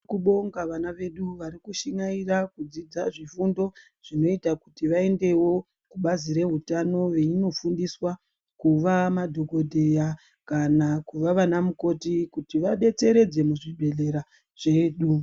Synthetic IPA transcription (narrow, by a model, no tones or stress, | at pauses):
kuɓoŋɡaʋanaʋe̞ɗuʋaɾikuʃiŋairakud͡zid͡zaʐifundo̞ | ʐ̥ino̞itakutiʋae̞nde̞wo̞ | kuɓaziɾe̞ɦutano̞ʋe̞ino̞fundiswa | kuʋamadʱoɡo̞dʱe̞ja | kanakuʋaʋanamuko̞tikutiʋaɓe̞t͡se̞ɾe̞d͡ze̞muʐibʱe̞le̞ɾa | ʐ̥e̞ːɗu